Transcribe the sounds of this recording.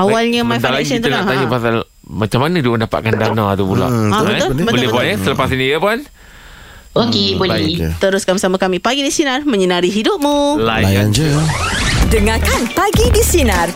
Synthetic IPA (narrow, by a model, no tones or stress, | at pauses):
awalɲəmãjfd̪alasənt̪unlat̪ajapasal | mat͡ʃamːanədiəndapa̰ʔ̪̚kandanat̪apula̰abəaolbətbəlɪpanəsələpasinijəpan | okebolɛt̪əɾʊskanbəsamakamĩpaɡidisinarmə̃ɲənaɾiɦidʊp̚mũlajajand͡ʒə | dəŋakanpaɡidisinar